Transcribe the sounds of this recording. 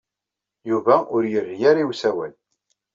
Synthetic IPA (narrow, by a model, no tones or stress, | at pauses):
juvæʊɾjərːjaɾiwsæwæl